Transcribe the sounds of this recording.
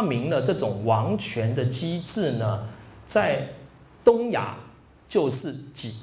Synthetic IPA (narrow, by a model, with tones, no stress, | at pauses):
mi˧˥ŋlə˧ʈ͡ʂɤ˥˩ʈ͡ʂʊ˨˩ŋwɑ˧˥ŋt͡ɕʰɥɛ˧˥nd̪ə˧t͡ɕi˥ʈ͡ʂɻ̩˥˩nə˩t͡sa˥˩ɪ | t̪ʊ˥ŋja̰˨˩˦ | t͡ɕjo˥˧ʊʂɻ̩˥˩t͡ɕi˨˩